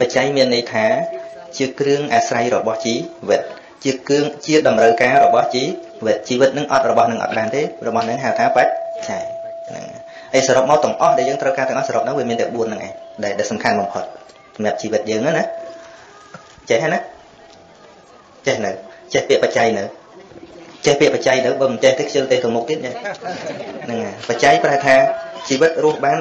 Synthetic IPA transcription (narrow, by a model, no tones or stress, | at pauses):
pat͡ɕajmiənːɨjt̪ʰaː | t͡ɕiəkrɨəŋʔaːsrajrɔɓɑht͡ɕiːʋɨt̪̚ | t͡ɕiəkɨəŋt͡ɕiəɗɑmrəwkaːrɔɓɑht͡ɕiː | ʋɨt̪̚t͡ɕiːʋɨt̪̚nɨŋʔɑ̰t̪̚rɔɓɑhnɨŋʔɑ̰t̪̚ɓaːnt̪eːrɔɓɑhnɨŋɦat̪ʰaːpac̚t͡ɕaɛjna̰ | ʔəjsaːɾop̚maɔt̪ɨ̆əŋʔɑhɗaɛjəːŋt̪rəwkaːt̪ɛəŋʔɑhsaːɾop̚nɨwʋiəmiənt̪ɛəɓuənːɨŋʔaɛɲɗaɛlɗaɛlsɑmkʰanɓɑmpʰot̪̚ | sɑmjap̚t͡ɕiːʋɨt̪̚jəːŋanah | t͡ɕɛhɦanah | t͡ɕɛhnɨwt͡ɕɛhpĭəʔpat͡ɕajnɨw | t͡ɕɛhpiəʔpat͡ɕajnɨwɓəːmɨnt͡ɕɛht̪eːkʰjəlt̪eːht̪ɨ̆əmʊk̚t̪iət̪̚ʔa | nɨŋapat͡ɕajpraaɛt̪ʰaːt͡ɕiːʋɨt̪̚rʊəhɓaːn